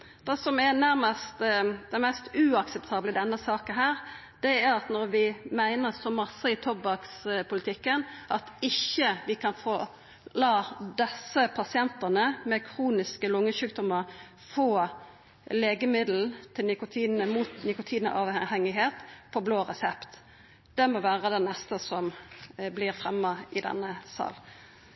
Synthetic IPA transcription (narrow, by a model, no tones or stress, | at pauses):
d̪̥ɛsɔmɛnæɾməst̪d̪ɛmɛst̪ʉɑksɛp̚t̪ʰɑːbləd̪ɛnːəsɑːkənɦæːɾ | d̪̥ɛæɾɑt̪nɔɾʋɪmæɪnəʁsɔmɑsːəɪt̪ʰɔbɑkspʰʊlɪt̪ʰɪkːənʔɑt̪ɪçːəʋɪkʰɑnfoː | lɑːd̪ɛsəpʰɑsɪɛnt̪ənəmɛkʰʁuːnɪskəlʊŋːəsʉːkd̪ɔməɾ | foː | leːɡəmɪd̪l̩t̪ʰɪlnɪkʊt̪ʰiːnəmuːt̪nɪkʊt̪ʰiːnə̰ʔɑʋhɛŋɪɦeːt̪pʰɔbloːʁɛsɛpt̪ | d̪̥ɛmɔʋæːʁəd̪ɛnnɛst̪əsɔmblɪʁfʁɛmːəɪd̪ɛ̰nːəsɑ̰ːl